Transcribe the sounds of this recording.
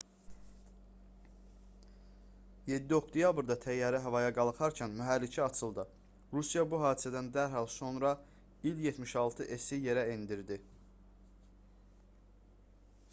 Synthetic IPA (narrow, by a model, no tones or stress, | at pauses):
je̞d̪ːioχd̪ejɑbɾd̪ɑt̪ʰæjːɑːɾiɦævɑjɑɡɑlˠɯχɑɾcʰænmyɦælːit͡ʃʰiɑt͡ʃʰɯlˠd̪ɯ | ɾusijɑbuɦɑːd̪isæd̪ænd̪æɾɦɑlˠso̞nɾɑ | iljet̪ʰmiʃɑlˠt̪ʰɯʔesije̞ɾæind̪iɾd̪i